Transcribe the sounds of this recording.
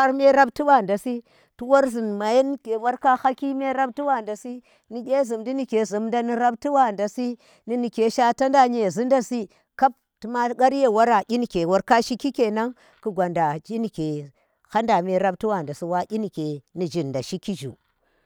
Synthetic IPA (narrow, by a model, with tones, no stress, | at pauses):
a˦ɾme˦ɾa˦bti˦wa˦˨nda˨si˦ | tu˦wa˦ɾzi˨nma˨je˦n˦ke˨wa˦ɾka˦ha˦ki˦me˦ɾa˦bti˦wa˦˨nda˨si˦ | ni˨ɡʲe˦zi˨mdi˦ni˨ke˨zi˨mnda˦ni˨˦ɾa˦b̚ti˦wa˦˨nda˨si˦ | ni˦ni˨ke˨ʃa˦ta˦nda˦ɲe˨zi˦nda˦si˦ | ka˦p̚ | ti˨˦ma˦ɡa˦ɾje˦˨wa˦ɾa˨ʔʲi˦ni˨ke˨wa˦ɾka˦ʃi˦ki˦ke˨na˦ŋ | ku˨ɡʷa˨nda˨d͡ʒi˦ni˨ke˨ | ha˦nda˨me˨ɾa˦b̚ti˦wa˨nda˨si˦wa˦ɡʲi˦ni˨ke˨ni˨d͡ʒi˨nda˨ʃi˦ki˦ʒṵ˨